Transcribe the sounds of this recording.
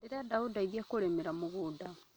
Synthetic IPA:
iɾadaudaɡekulemiɾamuβuda

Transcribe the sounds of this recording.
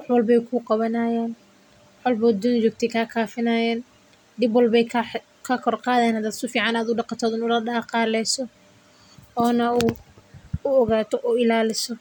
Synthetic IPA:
wɑħwɑlbɛjkʰuqɑβɐnɐjɛːn | ħɔlbɔːd̪ʊnt͡ʃɔːɡ̚t̪ʰɛjkʰaːkʰaːfɪnɐjɛːn | ɖɪbwɑlbɛjkʰ | kʰɐkʰɔrqɑːðɛːnhɐd̪aːsʊfiːʕɑnaːd̪ʊɖɑqɑt̪ʰɔːðɪnʊlɐɖɑːqɑːlɛjsɔ | ɔːnɐuː | ʊɔɣaːt̪ʰɔʔʊɪlaːlɪsɔ

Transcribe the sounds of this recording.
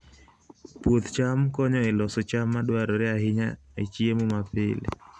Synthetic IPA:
pwot̪t͡ʃamkɔɲɔelɔsot͡ʃamːadwaɾɔɾɪaɦɪɲa | et͡ʃiemomapɪl̰

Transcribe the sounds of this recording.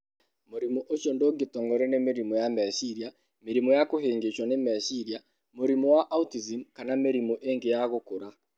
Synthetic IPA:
moɾimɔʔot͡ʃondoɡetɔŋɡɔɾɛnemeɾimɔjamɛʃiɾia | meɾimɔjakoɦeːŋɡet͡ʃwanemɛʃiɾja | moɾimɔwaʔautizimkanameɾimɔʔeŋɡejaɣokoɾa

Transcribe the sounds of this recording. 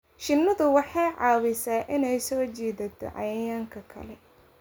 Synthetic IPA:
ʃɪnːɐðʊwɑħɑjʕɑːwɪsaːʔɪnɛjsɔːt͡ʃɛːðɐt̪ʰɔ̰ʕɑ̰jɐjaːŋkʰɐkʰɐ̰lɛ

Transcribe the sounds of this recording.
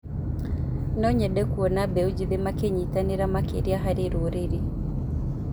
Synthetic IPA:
nɔɲɛɗɛkuɔnabɛud͡ʒiðemakeɲitaneɾamakḛɾiaɦaɾeɾoɾeɾi

